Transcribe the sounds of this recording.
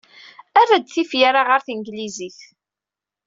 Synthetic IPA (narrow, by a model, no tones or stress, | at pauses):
ærːad̪θifjaɾaʁəɾθənɡliziθ